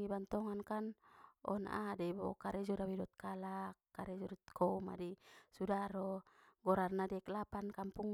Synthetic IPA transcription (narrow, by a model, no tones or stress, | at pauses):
ibant̪ɔŋankanʔɔ̰na̰ʔadɛbɔ̰kaɾɛd͡ʒɔdawidɔt̪̚kalakːaɾɛd͡ʒɔdɔt̪kʰɔuma̰dɛsudaɾɔɡɔɾarnadɛklapankampuŋ